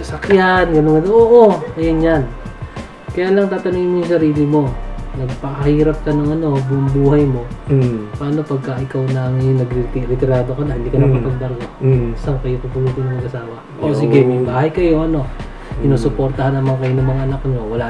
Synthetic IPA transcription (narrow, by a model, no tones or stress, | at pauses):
sɐsɐkjanɡɐnoŋɡɐnoʔoːʔoɐjɐnjan | kɐjaːlɐŋt̪aːt̪ɐniŋnmjʊŋsɐɾiːlɪmo̞nɐɡ̚pɐkɐhiːɾɐp̚kɐnɐŋɐno̞bumbuːhɐjmo̞paːno̞pɐɡ̚kɐʔɪkawnɐŋjʊnːɐɡɾit̪iɾɪt̪ɪɾaːd̪okonɐhɪnd̪iːkɐnɐpɐpɐɡ̚bɐɾɡosɐwkɐjopɐpuluːt̪onɐŋnɐɡʔɐsaːwɐ | ʔosɪɡɛmɐjbaːhɐjkɐjo̞ʔɐno̞ | ɪnoːsʊpo̞ɾt̪ɐhanːɐmaŋkɐjonɐŋmɐŋaʔɐnɐkɲo̞wɐla